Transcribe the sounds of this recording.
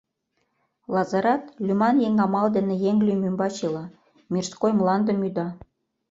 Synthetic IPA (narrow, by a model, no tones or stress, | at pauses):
lɑzɑɾɑt̪lʲymɑnjeŋɑmɑld̪ĕnĕjeŋlʲymymbɑt͡ɕilɑ | mirskojmlˠɑnd̪ə̆myd̪ɑ